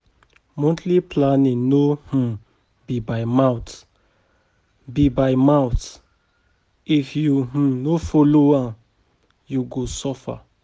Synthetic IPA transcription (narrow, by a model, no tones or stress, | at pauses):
mɔ̃ntʰliplanĩnoh̩ | bibajmãw̃t | bibajmãwt | ifjuh̩nofɔloã | juɡosɔfa̰